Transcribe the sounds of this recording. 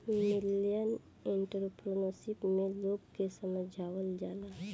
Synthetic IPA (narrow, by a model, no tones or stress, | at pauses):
mɪlijən | eɳʈəɾpɾonosipmẽloːɡ̚kesəməd͡ʒʱaːwəld͡ʒaːla